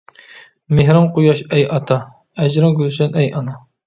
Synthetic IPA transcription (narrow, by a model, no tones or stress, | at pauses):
meɦɾɨmqujɑʃɛjɑt̪ʰɑ | ɛd͡ʒɾɨŋɡʲylsɛnɛjɑnɑ